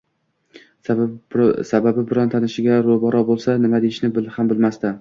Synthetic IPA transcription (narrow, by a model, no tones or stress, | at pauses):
sababɪbɪɾɒnt̪ʰanɪʃɪɡʲaɾobɒɾɒbolˠsanɪmad̪ejɪʃnɪbɪlhambɪlmast̪a